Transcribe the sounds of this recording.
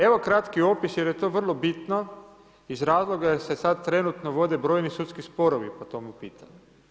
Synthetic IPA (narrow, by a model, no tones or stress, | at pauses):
e̞ʋo̞kɾat̪kio̞pisjeɾjet̪oːʋr̩lˠo̞bit̪no | izɾaːzlˠo̞ɡase̞sad̪̚t̪ɾe̞nut̪noʋo̞d̪e̞bɾo̞jnisut̪skispo̞ɾoʋipot̪o̞mupiːt̪ʰaɲu